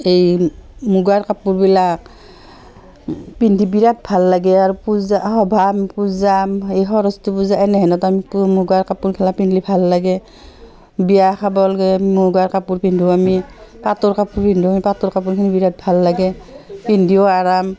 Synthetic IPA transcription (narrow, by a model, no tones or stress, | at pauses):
ejmuɡaɹkapuɹbilak̚ | pindʱibiɹat̚bʱalːaɡɛaɹupuzahɔbʱampuzamejɦɔɹɔstupuzaʔɛnɛɦɛnɔtamikumuɡaɹkapuɹkʰɛlapinlibʱalːaɡɛ | bijakʰabɔlɡɛmuɡaɹkapuɹpindʱuamipatɔɹkapuɹpindʱuamipatɔɹkap̬uɹkʰinibiɹat̚bʱalːaɡɛpindʱiɔaɹam